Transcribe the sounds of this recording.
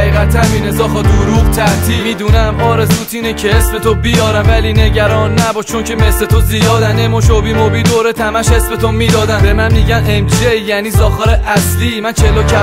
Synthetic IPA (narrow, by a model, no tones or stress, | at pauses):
iːɣæt̪ʰæmiːnezɒːxɒd̪uɾuːɡt̪ʰæɾt̪ʰiːmiːd̪uːnæmɒːɾe̞zuːt̪ʰiːnecʰeesbe̞t̪ʰobijɒːɾæmvæliːne̞ɟæɾɒːnːæbɒːʃt͡ʃʰoncʰeme̞slet̪ʰozijɒːd̪ænemoʃobiːmobiːd̪oːɾet̪ʰæmæʃesbet̪ʰomiːd̪ɒːd̪ænbemænmiːɟænemd͡ʒejæniːzɒːxɑɾeʔæsliːmænt͡ʃʰelocʰæ